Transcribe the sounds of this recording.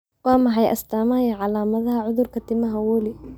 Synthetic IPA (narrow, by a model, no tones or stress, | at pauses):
wɑːmɐħɑjʔɐ̰st̪ʰaːmaːjɐʕɑlaːmɐðɐɦɐʕʊðʊrkʰɐt̪ʰɪmɐɦɐwɔːlɪ